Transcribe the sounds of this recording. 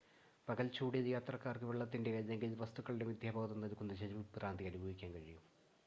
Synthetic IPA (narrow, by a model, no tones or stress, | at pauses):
pɐɣɐlt͡ɕuːɽijɐðɨjaːt̪rɐkːaːrkɨʋeɭːɐt̪ːindekɐðeŋɡilʋɐst̪uɣɐɭiɽeʋid̪jaːbʱɐɣɐt̪ːunːɐlkːunːɐɕeɾibpːɨraːnd̪ʱijɐnubʱɐʋikʲːaːnkɐɻijum